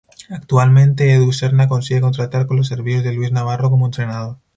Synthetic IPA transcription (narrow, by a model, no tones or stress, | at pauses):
ak̚t̪ualmẽnt̪e̞eðuseɾnako̞nsiɣeko̞nt̪ɾat̪aɾkonlo̞se̞ɾβiθozðe̞lwiznaβ̞aro̞ko̞moent̪ɾe̞naðo